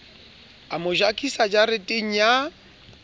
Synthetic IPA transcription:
amʊʒakʰʼisad͡ʒaɾɪtʼeŋ̩ja

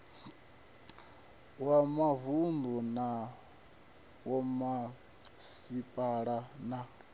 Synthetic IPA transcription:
wamavund̪ɔna | wɔma | sipʼaɺana

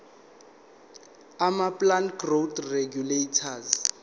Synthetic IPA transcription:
amaplanɡrod̪reɡjuletʰaz

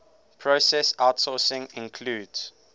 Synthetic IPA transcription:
pʰɹosɛsaʊtsɔːsɪ̃ŋɪ̃nkʰluːdz̥

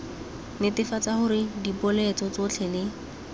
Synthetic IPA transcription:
nɪtɪfat͡saχʊɾɪdipɔlɛt͡sɔt͡sʊt͡ɬʰɛlɪ

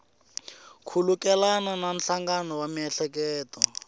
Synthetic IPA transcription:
kʰulukɛlananam̩ɬaŋɡanɔwamiɛɬɛk̬ɛːtɔ

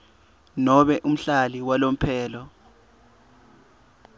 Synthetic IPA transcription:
nɔɓɛʔum̩ɬaliwalom̩pʰɛːlɔ

